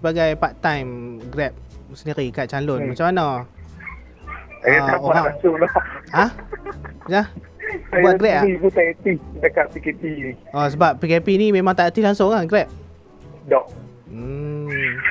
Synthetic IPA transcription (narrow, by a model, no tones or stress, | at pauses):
səbaɡajpaʔ̚t̪ajmɡɾɛp̚səndiɾikaʔ̚t͡ʃalʊnmat͡ʃamana | ajaaoaalaŋsʊŋlɔa | nah | ajuatɡɾɛp̚aibut̪ajət̪iht͡ʃakaʔ̚pikepiniʔɔsəbap̚ːikɛpinimẽmãŋt̪aʔət̪ihlaŋsʊŋaɡɾɛp̚ | dɔʔ | m̩